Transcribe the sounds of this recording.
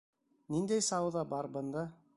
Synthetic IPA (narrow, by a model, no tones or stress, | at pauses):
nind̪æjsɑwðɑbɑɾbɤ̆nd̪ɑ